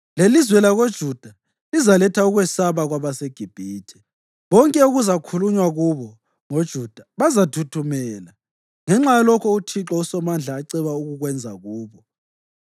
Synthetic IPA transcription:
lelizwɛlaɣod̥ʒ̥ʱud̥ʱa | lizalɛtʰauɣwɛsaβaɣwaβaseɡ̥ʱib̥ʱiːtʰɛ̥ | βɔŋkʼɛuɣuzakʰuluɲwaɣuβɔ | ŋod̥ʒ̥ʱud̥ʱaβazatʰutʰumɛːla | ŋɛŋ͡ǁajalɔkʰɔutʰiǁɔusɔmand͡ɮʱaːǀɛβauɣuɣwɛnd͡zʱaɣuːβɔ

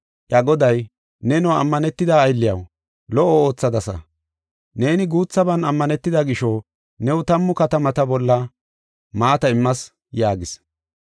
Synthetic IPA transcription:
ʔɐɡɔd̪ɐj | nɛnɔwɐmːɐnɛt̪ːɪd̪aːjlːɪjɐw | lɔʔɔo̞ːt͡sːɐd̪ɐsɐ̰ | ne̞ːnɪɡuːt͡sːɐbɐnɐmːɐnɛt̪ːɪd̪ɐɡɪʃɔ | nɛwʊt̪ɐmːʊkɐt̪ɐmɐt̪ɐbɔlːɐ | maːt̪ɐɪmːɐs | jaːɡɪs

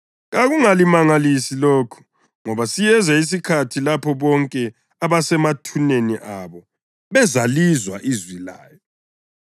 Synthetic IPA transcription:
ɣaɣuŋalimaŋalisiloːkʰu̥ | ŋɔβasijɛzais̬ikʰatʰilapʰɔβɔŋkʼɛ | aβasɛmatʰuneniʔaβɔ | βɛzalizwaʔizwila̰ːjɔ

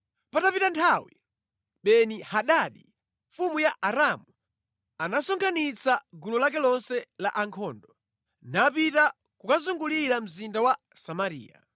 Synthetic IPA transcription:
patapitantʰawi | ɓɛnihaɗaɗi | ɱfumujaʔaɾamu | anasɔŋkʰanit͡saɡulɔlak̬ɛlɔnsɛlaʔaŋkʰɔːndɔ | napita | kukazuŋɡuliɾam̩zindawa | samaɾḭːja̰

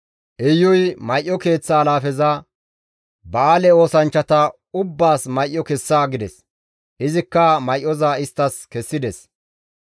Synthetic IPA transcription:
ʔɛjːɔjmɐjʔːɔke̞ːt͡sːaːlaːfɛzɐ | bɐaːlɛo̞ːsɐnt͡ʃːɐt̪ɐ | ʊbːaːsmɐjʔːɔkɛsːaːɡɪd̪ɛs | ʔɪzɪkːɐmɐjʔɔzaɪst̪ːɐskɛsːɪd̪ɛs

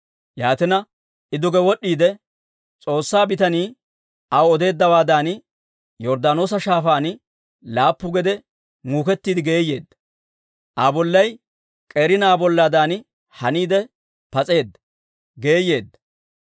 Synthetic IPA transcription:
jaːt̪ɪnɐ | ɪd̪ʊɡɛwɔɗːiːd̪ɛ | t͡sʼo̞ːsːaːbɪt̪ɐniː | ʔɐwɔd̪e̞ːd̪ːɐwaːd̪aːn | jɔɾd̪aːno̞ːsɐʃaːfaːn | laːpːʊɡɛd̪ɛ | ŋuːkɛt̪ːiːd̪ɪɡe̞ːje̞ːd̪ːɐ | ʔabɔlːɐj | kʼeːɾɪnaːbɔlːaːd̪aːn | hɐniːd̪ɛ | pɐt͡sʼe̞ːd̪ːɐ | ɡe̞ːje̞ːd̪ːɐ̥

